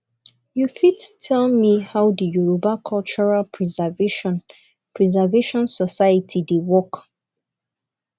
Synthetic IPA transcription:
jufittʰɛlmihawdijuɹobakʰɔlt͡ʃɔɹalɹizvn | pɹizɛveʃɔ̃nsɔsajətʰidewɔk

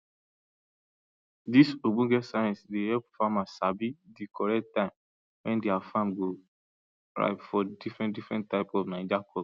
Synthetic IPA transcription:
disobũɡɛtsaɛ̃nsdehɛpfamasabidikɔɹɛk̚tãɪ̃m | wɛ̃ndeafãmɡo | ɹa̰ɪpfɔdifɹɛ̃ndifɹɛ̃ntːaɪpɔvnãnd͡ʒakʰɔ

